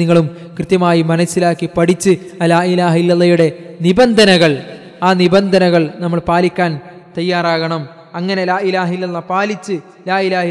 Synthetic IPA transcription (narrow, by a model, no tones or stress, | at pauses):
iŋːɐɭum | krɨt̪jɐmaːjimɐnɐsːilaːkːipɐɽit͡ɕːɨɐlaːilaːɦilːɐlːɐjuɽe̞nibɐnd̪ʱɐnɐɣɐɭ | aːnibɐnd̪ʱɐnɐɣɐɭnɐmːɐɭpaːlikʲːaːn | t̪ɐjːaːraːɣɐɳɐm | ɐŋːɐnelaːilaːɦilːɐlːɐpaːlit͡ɕːɨ | laːilaː